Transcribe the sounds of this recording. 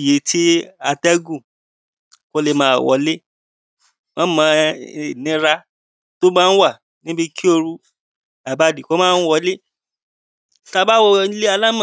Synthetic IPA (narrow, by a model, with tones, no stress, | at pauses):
je˨tʰi˦a˧tɛ˦ɡũ˦˨ | ko˦le˧mãː˨˦˨wɔ̰˨˦le˦ | wã˦mã˧i˨nĩ˨˦ɾa˧ | to˦mãː˦˧n̩˦wa˦˨ | nĩ˦bi˧kʰi˦o˧ɾu˧ | a˨ba˦di˨ko˦mãː˦˧n̩˦wɔ˧le˦˨ | ta˧ba˦wɔ˧i˦le˦a˧la˦mã˦˨